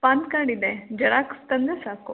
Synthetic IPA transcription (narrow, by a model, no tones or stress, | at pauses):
paːnd̪̚kaːɳid̪ed͡ʒɐɽaːkst̪ɐnd̪esaːku